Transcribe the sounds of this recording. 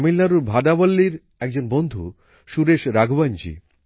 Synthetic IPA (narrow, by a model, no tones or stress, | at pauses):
milːaɾuɾbʱaɖabolːiɾ | ɛk̚d͡ʑonbond̪ʱṵ | ʃuɾeʃɾaɡʱband͡ʑḭ